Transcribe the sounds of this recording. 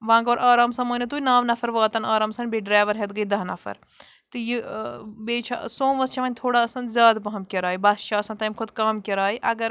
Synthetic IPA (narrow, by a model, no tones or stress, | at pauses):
ʋãːŋɡoːɾʔaːɾaːmsɐmɐːnʲit̪uːinaːʋnɐfʰɐɾʋaːt̪ɐnaːɾaːmsɐnʲbeɖɾaːʋɐɾɦet̪ɡɐid̪ɐɦnɐfʰɐ̰ɾ | t̪ɨjibeːt͡ʃʰa̰sõːmʋɐst͡ʃʰɐʋɐːnʲt̪ʰoːɽaɐsɐnd̪zʲjaːd̪bɐɦɐmkʲɐɾaːibɐsʃʰaːɐsɐ̃nt̪ɐːmkʰʊd̪kaːmkɐɾaːiʔɐɡɐɾ